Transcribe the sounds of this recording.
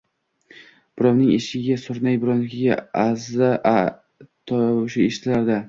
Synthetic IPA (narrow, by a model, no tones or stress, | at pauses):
b̥ʊɾɒwnɪŋeʃɪɡʲasʊɾnajbʊɾɒwnɪkʲʰɪɡʲa̰azaʔ | t̪ʰɒʃɪeʃɪt̪ʰlaɾd̪a